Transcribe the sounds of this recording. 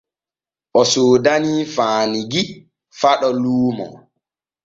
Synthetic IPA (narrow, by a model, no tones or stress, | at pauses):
ʔɔsoːdaniːfaːniɡi | faɗɔluːmɔ̰